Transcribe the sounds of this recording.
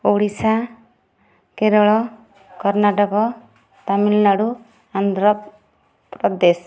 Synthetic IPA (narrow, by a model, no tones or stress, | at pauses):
oɽisa | keɾɔɭɔ | kɔɾnaʈɔkɔ | t̪amilnaɽu | and̪ɾɔ | pɾɔd̪es